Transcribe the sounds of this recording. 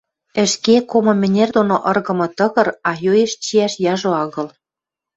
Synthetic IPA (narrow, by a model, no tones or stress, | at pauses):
ɘ̆ʃkekomɤ̆mɘ̆nʲerd̪onoʔɤ̆rɣɤ̆mɤ̆t̪ɤ̆ɣɤ̆rɑjoeʃt͡ɕiæʃjɑʒoɑɣɤ̆l